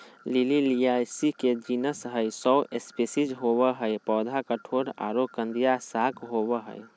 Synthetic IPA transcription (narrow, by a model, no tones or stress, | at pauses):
lililiaːjsiked͡ʒinəsɦəjsɔʊʔespesid͡ʒɦowəɦəjpɔːd̪ʱakəʈʰoːɾa̰ːɾokə̃nd̪ijasaːkɦobəɦə̰j